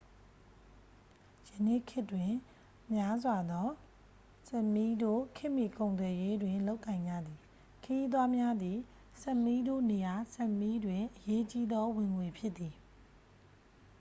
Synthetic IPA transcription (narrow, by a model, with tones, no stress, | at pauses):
jə˨nḛ˦˨kʰɪ˦tːwɪ̃˨ | mja˦zwa˨d̪ɔ˦ | sɛ˦ʔmi˦do̰˦˨kʰɪ˦ʔmi˦˨kõ˨ʊ̃nt̪wɛ˨je˦dwɪ̃˨lo˦ʊkːã˨ɪ̃ɲd͡ʑä̰˦˨d̪ði˨ | kʰəji˦t̪wa˦mja˦d̪i˨ | sɛ˦ʔmi˦do̰˦˨ne˨ja˨sɛ˦ʔmi˦dwɪ̃˨ʔəje˦t͡ɕi˦d̪ɔ˦wɪ̃˨ŋwe˨pʰjɪ˦t̪t̪ːi˨